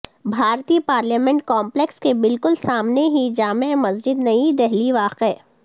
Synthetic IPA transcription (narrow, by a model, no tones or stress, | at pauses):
bʱaːɾt̪ipaːɾliːmɛ̃ɳʈ̚kɔːmplekskebɪlkʊlsaːmneɦid͡ʒaːmemɐzd͡ʒɪd̪nɐid̪ɛɦliʋaːqe